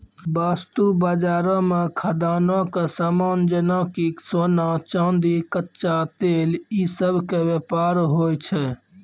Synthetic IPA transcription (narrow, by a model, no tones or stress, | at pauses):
baːst̪ubəd͡ʒaːɾɔ̃mekʰəd̪aːnɔ̃kesaːmaːnd͡ʒənɔ̃kiksoːnat͡ʃãnd̪ikətːʃat̪eːlisəbʱkeʋjepaːɾɦoːjt͡ʃʰɛ